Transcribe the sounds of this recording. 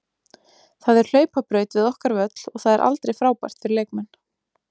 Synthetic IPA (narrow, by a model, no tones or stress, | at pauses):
θaðɛɾ̥l̥œːɥpapɾœːɥt̪vɪðɔhkaɾvœt̪lɔɣθaðɛɾʔa̰lt̪ɾejfɾaːwpa̰j̥t̪fɪɾɪɾleːjkmɛn